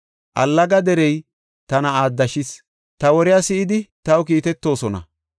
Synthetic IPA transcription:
ʔɐ̰lːɐɡɐd̪ɛɾɛj | t̪ɐnɐaːd̪ːɐʃɪs | t̪ɐwɔɾɪjasɪʔɪd̪ɪt̪ɐwkiːt̪ɛt̪ːo̞ːsɔnɐ̰

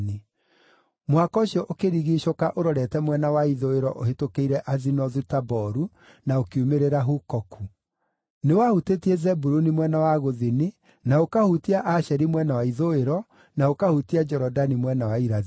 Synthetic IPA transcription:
ne | mwakɔɕiɔʔokeɾiɣiʃokaʔoɾɔɾɛtɛmwɛnawaiðoeɾɔʔohetokeiɾɛʔazinɔðutabɔɾu | naokeumeɾeɾaɦukɔkʰu | newahutetiezɛbuɾunimwɛnawaɣoðeni | naokahutiaʔaʃɛɾimwɛnawaiðoeɾɔ | naokahutiad͡ʒɛɾɔdanimwɛnawaiɾa

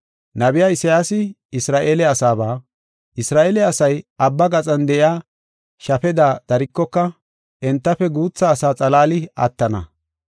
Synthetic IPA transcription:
nɐbɪjaːɪsɐjaːsɪ | ɪsɾaːʔeːlɛɐsaːbaː | ʔɪsɾaːʔeːlɛɐsɐjɐbːɐɡɐt͡sʼɐnd̪ɛʔɪjaː | ʃɐfɛd̪aːd̪̥ɐɾɪkːɔkːɐ | ʔɛnt̪ːɐfɛɡuːt͡sːɐːsaːt͡sʼɐlaːlɪɐ̰t̪ːɐnɐ̰

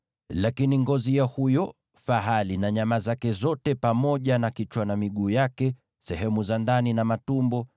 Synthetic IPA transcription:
lakiniŋɡɔzijahujɔ | faɦalinaɲamazakɛzɔtɛpamɔʄanakit͡ʃwanamiɠuːjakɛ | sɛɦɛmuzandaninamatumbɔ

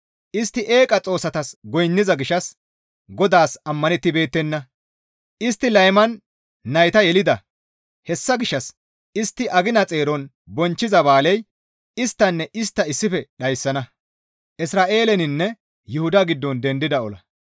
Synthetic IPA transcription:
ʔɪst̪ːɪʔeːkʼɐt͡sʼo̞ːsɐt̪ɐsɡɔjnːɪzɐɡɪʃɐs | ɡɔd̪aːsɐmːɐnɛt̪ːɪbe̞ːt̪ːɛnːɐ | ʔɪst̪ːɪlɐjmɐnː | ɐjt̪ɐjɛlɪd̪ɐ | hɛsːɐɡɪʃːɐs | ɪst̪ːɪʔɐɡɪnɐt͡sʼe̞ːɾɔn | bɔnt͡ʃːɪzɐbaːlɛj | ɪst̪ːɐnːɛʔɪst̪ːɐɪsːɪfɛɗɐjsːɐnɐ | ʔɪsɾaːʔe̞ːlɛnɪnːɛ | jʊhʊd̪ɐɡɪd̪ːɔnd̪ɛnd̪ɪd̪ɐɔlɐ

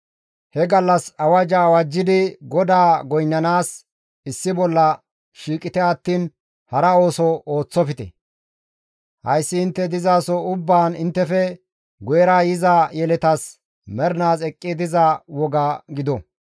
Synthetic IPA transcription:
hɛɡɐlːɐsɐwɐd͡ʒɐwɐd͡ʒːɪd̪ɪɡɔd̪aːɡɔjnːɐnaːs | ɪsːɪbɔlːɐ | ʃiːkʼɪt̪ɛɐt̪ːiːn | hɐɾɐo̞ːsɔo̞ːt͡sːɔfɪt̪ɛ̰ | hɐ̰jsːɪːnt̪ːɛd̪ɪzaːsɔʊbːaːnɪnt̪ːɛfɛ | ɡɔjɛɾaːjɪzajɛlɛt̪ɐs | mɛɾnaːsɛkʼːɪd̪ɪzɐwɔɡaɡɪd̪ɔ

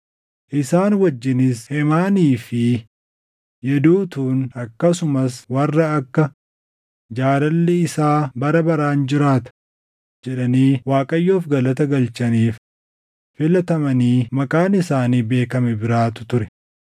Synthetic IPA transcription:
ʔɪsaːnwɐd͡ʒːɪnɪshɛmaːniːfɪ | jɛd̪uːt̪uːnɐkːɐsʊmɐswɐrːɐɐkːɐ | d͡ʒaːɾɐlːɛɪsaːbɐɾɐbɐɾaːnd͡ʒɪɾaːt̪ɐ̥ | d͡ʒɛᶑɐniːwaːkʼɐjːoːfɡɐlɐt̪ɐɡɐlt͡ʃɐniːf | fɪlɐt̪ɐmɐniːmɐkʼaːnɪsaːniːbe̞ːkɐmɛbɪɾaːt̪ʊ̥t̪ʊɾɛ

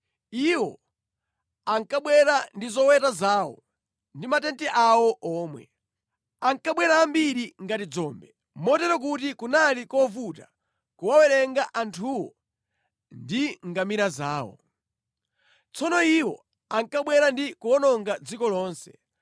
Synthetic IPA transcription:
iwɔ | aŋkaɓwɛɾandizɔwɛtazaːwɔ̰ | ndimatɛntɛʔawɔʔɔːmwɛ̰ | aŋkaɓwɛɾaːmbiɾiŋɡatid͡zɔːmbɛ | mɔtɛɾɔk̬ut̬ikunalikɔvuta̰ | kuwawɛɾɛŋɡaʔantʰuwɔ̰ | ndiŋɡamiɾazaːwɔ̰ | t͡sɔnɔiwɔ̰ | aŋkaɓwɛɾandikuɔnɔŋɡad͡zikɔlɔːnsɛ̥

